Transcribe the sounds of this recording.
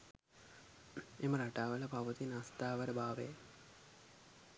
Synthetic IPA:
eməɾaʈaːʋələpaʋət̪inast̪aːʋəɾəbaːʋḛ

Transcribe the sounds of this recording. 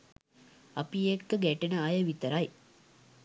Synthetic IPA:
ɐpijekːəɡæʈenəɐjəʋit̪əɾɐj

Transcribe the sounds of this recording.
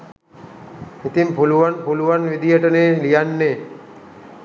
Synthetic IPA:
it̪impuluʋanpuluʋanʋid̪ijəʈəneːlijanːeː

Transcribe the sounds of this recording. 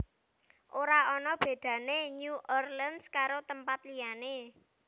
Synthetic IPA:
ʔoɾaɔnɔb̥e̤d̪̥ä̤neɲuʔɔrlənskaɾot̪əmpat̪liane

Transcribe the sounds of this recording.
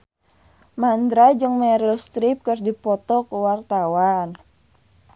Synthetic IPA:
mand̪ɾad͡ʒɨŋmɛɾəlst̪ɾip̚kərdipɔt̪ɔkuwart̪awan

